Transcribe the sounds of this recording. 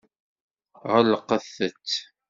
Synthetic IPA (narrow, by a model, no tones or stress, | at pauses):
ʁəlːəqːəθːət͡sː